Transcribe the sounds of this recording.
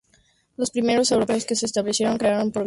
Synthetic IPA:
lospɾime̞ɾo̞sewɾo̞pe̞oskeseːst̪aβlesje̞ɾo̞ŋkɾeaɾompɾo

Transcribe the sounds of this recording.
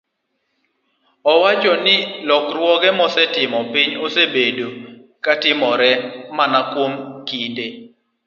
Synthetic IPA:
ɔwat͡ʃɔnɪlɔkɾwɔɡɛmɔsɛtɪmɔpɪɲosebedo | katɪmɔɾɛmanakwomkide

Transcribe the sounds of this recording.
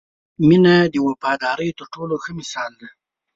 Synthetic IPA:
minad̪əwapɑd̪ɑɾəjt̪əɾʈoloxəmɪsɑld̪a

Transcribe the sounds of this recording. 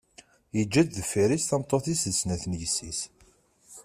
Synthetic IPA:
jəd͡ʒːæd̪ðəfːiɾisθɑmt̪ˤːoθisəsnæθnjəsːis

